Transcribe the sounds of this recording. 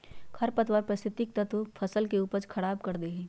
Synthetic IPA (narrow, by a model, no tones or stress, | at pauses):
kʰɐɾpɐt̪wəɾpɾɐsɪt̪ːɪk̚t̪ɐt̪opʰɐsəlkeuːpəɾt͡ʃkʰɐɽaːbkɐɾd̪eɦɛ̃ː